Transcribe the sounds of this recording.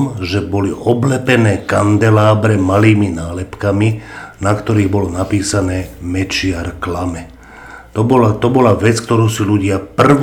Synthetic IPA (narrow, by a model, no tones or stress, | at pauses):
mʒɛbɔliʔɔblɛpɛnɛːkand̪ɛlaːbɾɛmaliːminaːlɛpkaminakt̪ɔɾiːɣbɔlɔnapiːsanɛːmɛt͡ʃɪaɾklamɛ | t̪ɔbɔlaʋɛt͡sk̚t̪ɔɾuːsiluɟɪapr̩ʋ